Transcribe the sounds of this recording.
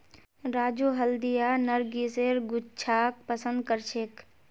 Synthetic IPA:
ɾaːd͡ʒoːɦəld̪ijaːnəɾɡiseɾɡʊt͡ʃʰaːk̚pəsə̃nd̪̚kəɾt͡ʃʰek

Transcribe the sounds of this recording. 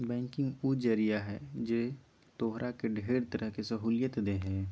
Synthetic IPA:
bɛ̃ːŋkɪ̃ŋɡuːd͡ʒəɾijaɦɛd͡ʒe | t̪oːɦɾʔakeɖʱeːɾt̪əɾʔəɦkesɐɦuːljət̪d̪eɦɛ̃ː

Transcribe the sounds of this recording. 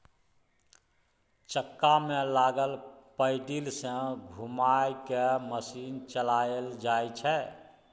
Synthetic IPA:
t͡ʃəkːamelaɡəlpəɪɖilsə̃ɡʱumajkeməsint͡ʃəlaəld͡ʒajt͡ʃʰɛ

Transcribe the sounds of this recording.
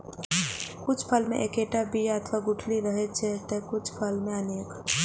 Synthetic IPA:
kʊt͡ʃʰpʰəlmḛ̃ʔekeʈabijaət̪ʰʋaɡʊʈʰliɾəɦɛt͡ʃʰɛt̪ekʊt͡ʃʰpʰəlmẽəneːk

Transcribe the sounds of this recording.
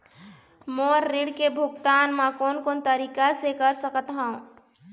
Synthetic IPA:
moːɾːiɽkebʱʊɡt̪aːnmãkoːnkoːnt̪əɾiːkasekəɾsəkət̪ɦə̃

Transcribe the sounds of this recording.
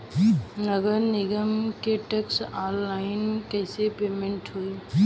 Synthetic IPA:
nəɡəɾnɪɡəmkeʈeksaːlːaːɪnkəɪsepeːmẽɳʈɦoi

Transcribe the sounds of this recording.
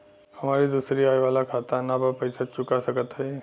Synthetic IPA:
həmaɾiːd̪usɾiːajʋalakʰat̪anabapəjsat͡ʃukasəɡət̪əe

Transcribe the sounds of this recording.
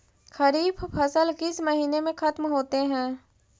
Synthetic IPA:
xɐɾiːbpʰɐsəlkɪsmɐɦiːnemẽxɐt̪mɦoːt̪eɦɛ̃ː

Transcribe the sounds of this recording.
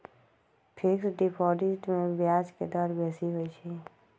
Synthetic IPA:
pʰɪksɖɪpʰɔːdiʈmẽbjaːd͡ʒked̪əɾbɛːsiɦoːit͡ʃʰe

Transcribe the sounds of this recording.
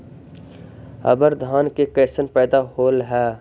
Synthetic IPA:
ə̰bəɾd̪ʱaːnkekeːsənpɛːd̪aɦoːlɦɛː

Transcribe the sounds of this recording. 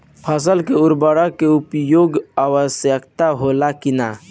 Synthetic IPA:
pʰəs̬əlkeʊɾbəɽakeʊpjoːɡaːwəsjəkt̪aɦoːlakɪna̰

